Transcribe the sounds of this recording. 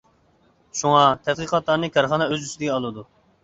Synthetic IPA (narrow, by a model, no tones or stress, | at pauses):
ʃuŋɑt̪ʰɛt̪̚qʰɨqɑt̪lˠɑɾnɨkʲʰɑɾχɑnɛøzysɪd̪ɪɡʲɛɑlˠɨd̪u